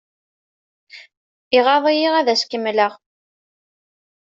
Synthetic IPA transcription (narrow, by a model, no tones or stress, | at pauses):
iʁɑðˤijiʁæðæskəmːləʁ